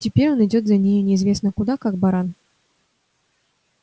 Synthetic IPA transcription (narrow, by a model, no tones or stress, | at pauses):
tʲɪpʲeɾʲo̞nɪdʲo̞t̪zɐnʲejʊnʲɪːzvʲe̞snəkʊd̪akaɡ̚bɐɾan